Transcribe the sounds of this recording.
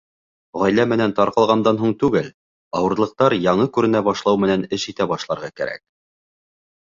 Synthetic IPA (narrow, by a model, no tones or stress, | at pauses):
ʁɑjlæmɘ̆nænt̪ɑɾqɑlˠʁɑnd̪ɑnɦuɴt̪ʉɡɘl | ɑwɤ̆ɾlˠɤ̆q̚t̪ɑɾjɑɴɤkʉɾɘ̆næbɑʃlˠɑwmɘ̆nænɘʃit̪æbɑʃlˠɑɾʁɑkæ̰ɾæ̰k̚